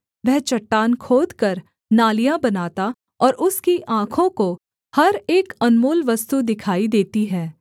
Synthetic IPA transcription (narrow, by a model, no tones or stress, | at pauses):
ʋɛɦt͡ʃɐʈːaːnkʰoːd̪kɐɾ | naːlijãbɐnaːt̪a | ɔːɾʊskiʔãːkʰõko | hɐɾeːkɐnmoːlʋɐst̪ud̪ɪkʰaːid̪eːt̪iɦɛː